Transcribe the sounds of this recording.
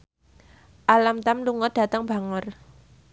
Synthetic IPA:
ʔalamt̪amluŋəd̥a̤t̪əŋb̥a̤ŋər

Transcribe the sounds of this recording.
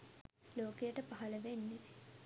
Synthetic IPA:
loːkejəʈəpaɦɐləʋenːeʋe

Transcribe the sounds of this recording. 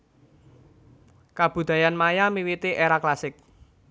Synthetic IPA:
kab̥ṳd̪̥a̤janmajamiwit̪iʔeɾaklasɪk̚

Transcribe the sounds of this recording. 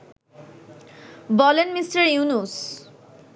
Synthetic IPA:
bɔlenmisʈəɹjunus

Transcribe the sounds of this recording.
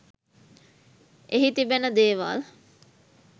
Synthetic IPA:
ʔeɦit̪ibenəd̪eːʋa̰ːl

